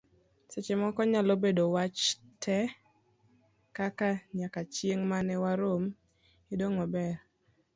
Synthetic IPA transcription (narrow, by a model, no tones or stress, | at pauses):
set͡ʃemɔkɔɲalobedowat͡ʃtʰɛ | kakaɲakat͡ʃjeŋmanɛwaɾom | idoŋɔbɛɾ